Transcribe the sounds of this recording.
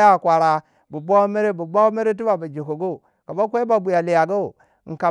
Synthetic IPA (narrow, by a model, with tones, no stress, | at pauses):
a˦˨kʷa˨ɾa˨ | bu˨ba˦me˦ɾe˦bu˨ba˦me˦ɾe˦t̬i˦ba˨ba˨d͡ʒe˨ko˨ɡo˦˨ | ka˨ba˦kʷe˦ba˨bu˨ja˨li˨ja˨ɡa˦˨˦ | ŋ̩˨ka˨